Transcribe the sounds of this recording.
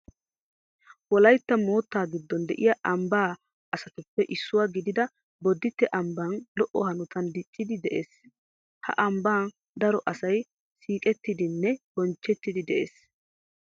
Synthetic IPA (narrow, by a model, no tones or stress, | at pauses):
wɔlɐjt̪ːɐmo̞ːt̪ːaːɡɪd̪ːɔnd̪ɛʔɪjɐʔɐmbaː | ɐsɐt̪ʊpːɛʔɪsːʊwaːɡɪd̪ɪd̪ɐ | bɔd̪ːɪt̪ːɛʔɐmbaːnlɔʔɔhɐnʊt̪ɐnd̪ɪt͡ʃʼːɪd̪ɪd̪ɛʔeːs | hɐ̰ʔɐmbaːn | d̪ɐɾɔʔɐsɐj | siːkʼɛt̪ːɪd̪ɪnːɛb̥ɔnt͡ʃːɛt̪ːɪd̪ɪd̪ɛʔḛːs